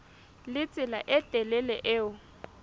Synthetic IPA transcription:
lɪt͡sʼɪla̰ʔɪtʼɛlɛlɛʔɪːʊ

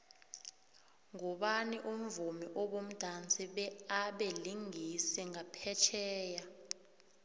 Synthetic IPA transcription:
ŋɔɓaniʔum̩vumiʔoɓom̩d̥ʱant͡sʼiɓɛaɓeliŋisɛŋapʰɛt͡ʃʰɛːja

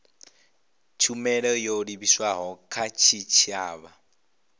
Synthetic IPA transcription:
t͡ʃʰumɛɺɔjoɺiβiswaɦɔkʰat͡ʃʰit͡ʃʰiaːβa

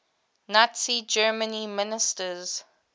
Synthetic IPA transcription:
natsid͡ʒɜːmənimɪnɪstəz

